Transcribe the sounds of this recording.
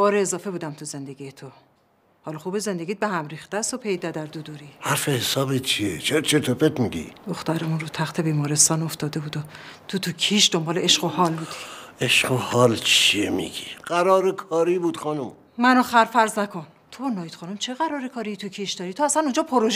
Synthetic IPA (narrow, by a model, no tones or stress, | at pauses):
bɒːɾeːzɒːfe̞buːd̪æmt̪ʰuze̞nd̪e̞ɡijet̪ʰo | hɒːlɒxuːbeze̞nd̪eɡiːt̪̚behæmɾiːxt̪æst̪opʰe̞jd̪æd̪æɾd̪ud̪uɾihaɾfehesɒːbet͡ʃʰiḛt͡ʃʰeɾt͡ʃʰet̪ʰopet̪miɡḭd̪̥oxt̪æɾemunrot̪ʰæxt̪ʰe̞biːmɒːɾest̪ɒːno̞ft̪ɒːd̪e̞buːd̪ot̪ʰot̪ʰucʰiːʃd̪ombɒːleeʃɢohɒːlbuːd̪i̥eʃɢohɒːlt͡ʃʰiemḭɡ̥iɢ̥æɾɒːɾekʰɒːɾibuːd̪̥xɒnum | mænoxæɾfæɾznækʰo̞n | t̪ʰonɒːjd̪̥χɒːnumt͡ʃʰeɣæɾɒːɾekʰɒːɾijit̪ʰucʰiʃd̪ɒːɾiːt̪ʰoæsænund͡ʒɒːpʰoɾoʒ